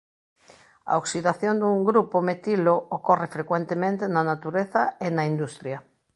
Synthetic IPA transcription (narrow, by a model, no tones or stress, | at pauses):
a̰oksiðaθjond̪uŋɡɾupomet̪ilookorefɾekwent̪emẽnt̪enanat̪uɾeθaenaind̪ust̪ɾja